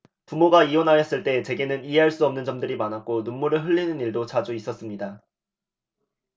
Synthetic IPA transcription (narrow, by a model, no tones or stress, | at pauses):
pumoɡaiwʌnɦajʌs͈ɯɭt͈e̞t͡ɕe̞ɡe̞nɯniɦe̞ɦaɭs͈uʌmnɯnd͡ʑʌmdɯɾimanak̚k͈onunmːuɾɯɭɦɯʎːinɯniɭdot͡ɕad͡ʑuis͈ʌs͈ɯmɲida